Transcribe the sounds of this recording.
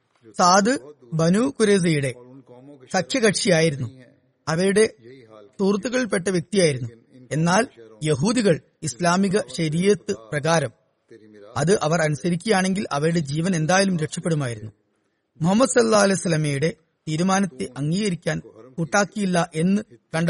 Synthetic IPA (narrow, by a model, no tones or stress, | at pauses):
saːd̪ɨ | bɐnuːkuɾeːs̬ɐjuɽe̞ | sɐkʰjɐɣɐʈʂijaːjiɾunːu | ɐʋɐɾuɽe̞t̪uːrt̪̬ːuɣɐɭilp̬e̞ʈːɐʋjek̚t̪ijaːjiɾunːu | e̞nːaːljeɦuːd̪iɣɐɭ | islaːmiɣɐɕɐɾiːjɐt̪ːɨprɐɣaːɾɐm | ɐðɨʔɐʋɐrɐnusɐɾikʲːɐjaːɳe̞ŋɡilʔɐʋɐɾuɽe̞d͡ʑiːʋɐne̞nd̪aːjɐlumɾe̞ʈʂɐpːe̞ɽumaːjiɾunːu | muɦɐmːɐd̪sɐlːaːɐlesɐlːɐmejuɽe̞ | t̪iːɾumaːnɐt̪ːeʔɐŋːiːɣɐɾikʲːaːnkuːʈːaːkːijilːɐʔe̞nːɨkɐɳɖɐ